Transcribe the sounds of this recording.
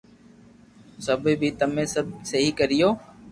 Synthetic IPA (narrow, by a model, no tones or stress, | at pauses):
səbʱbʱiːt̪əmẽːsəbsəɦiːkəɾɪjoː